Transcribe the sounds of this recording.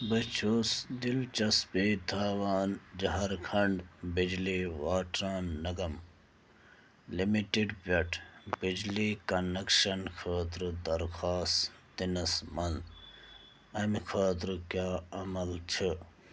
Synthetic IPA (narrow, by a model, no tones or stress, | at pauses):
bɐt͡ʃʰoːsd̪ilt͡ʃɐspiːt̪ʰaːʋaːnd͡ʒɐɦɐɾkʰɐɳɖbid͡ʒliʋaːʈɾaːnːɐɡɐm | limiʈiɖpɐʈʰbid͡ʒliːkɐnɐkʂɐnkʰɐːt̪ɾud̪ɐɾkʰaːst̪inɐsmɐn | ɐmkʰɐːt̪ɾukjaːɐmɐlt͡ʃʰɨ